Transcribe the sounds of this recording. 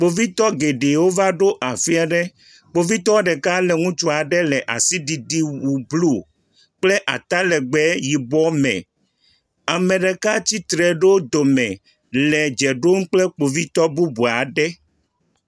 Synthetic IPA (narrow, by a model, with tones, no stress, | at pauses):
k͡po˨vi˦t̪ɔ˦ɡe˨ɖe˨wo˦va˦ɖo˦ʔa˨fi˦a˦ɖɛ˦ | k͡po˨vi˦t̪ɔ˦ɖɛ˨ka˦lɛ˨ŋũ˦t͡ʃu˦a˨ɖɛ˦lɛ˨ʔa̰˨si˦ɖi˨di˦wu˨blu˦˨ | k͡plɛ˦ʔa̰˨t̪a˦lɛ˨ɡ͡bɛ˦ji˨bɔ˦mɛ̰̃˨ | a˨mẽ˨ɖɛ˨ka˦t͡ɕi˦t̪ɾɛ˨ɖe˦wd̪o˨mɛ̃˨ | lɛ˨d͡ʒɛ˨ɖo˦m̩˦k͡plɛ˦k͡po˨vi˦t̪ɔ˦bu˦bu˨a˨ɖɛ˦